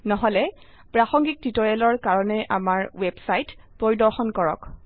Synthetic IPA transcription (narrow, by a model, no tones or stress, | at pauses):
nɔɦɔlɛ | pɹaxɔŋɡik̚titɔɹɛlɔɹkaɹɔnɛʔa̰maɹwɛbsajt | poɹidɔɹxɔnkɔɹɔ̰k